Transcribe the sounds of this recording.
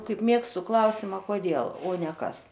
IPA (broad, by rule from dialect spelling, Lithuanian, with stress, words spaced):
ˈkɐɪp ˈmʲeːkstʊ ˈklˠɐʊsʲɪmɐ koːˈdʲeːlˠ oː nʲɛ ˈkɐs